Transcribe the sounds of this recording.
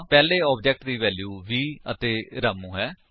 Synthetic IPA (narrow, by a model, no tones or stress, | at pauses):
pɛːleːɔːbd͡ʒɛk̚ʈd̪iːʋɛːljuːʋiːət̪eːɾaːmũːɦɛː